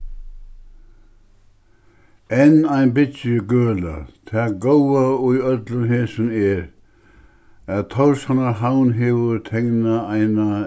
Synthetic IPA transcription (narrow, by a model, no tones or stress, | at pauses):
ɛnajnbɪt̪jəɡøːla̰t̪ʰæːɡowauœt̪lənɦeːsənɛɾ | æðt̪ʰɔwshanaɦawnɦeːʋəɾt̪ʰɛŋnaaɪna